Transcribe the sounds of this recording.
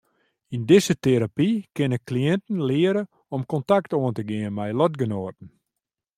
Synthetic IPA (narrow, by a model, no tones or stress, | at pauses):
indɪzəteɾapikɪnəkliɛntn̩lɪəɾə | ɔmkɔntaktoəntəɡɪənmɛjlɔtɡənoːt̚n̩